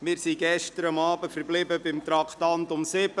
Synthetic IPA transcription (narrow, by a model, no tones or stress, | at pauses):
mɪːɾsiɡɛʃtəɾɑmɑːbəfəɾblɪbəbɪmt̪ɾɑkʰt̪ɑnt̪ʊmsɪbə